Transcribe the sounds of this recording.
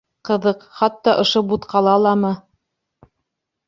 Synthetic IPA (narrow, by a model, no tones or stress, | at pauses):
qɤ̆ðɤqχɑt̪ːɑʔŏʃobut̪qʰɑlˠɑlˠɑmɤ